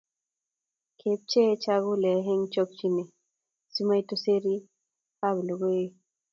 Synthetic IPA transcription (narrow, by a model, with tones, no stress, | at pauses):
kʰe˨p̚t͡ʃe˦t͡ʃa˦ɣu˦lɛ˨ɦe˦ŋt͡ʃɔ˦k̚t͡ʃi˦ne˨ | su˦ma˦jto˦se˦ɾi˦ | pa˦blo˨ɡo˦e˦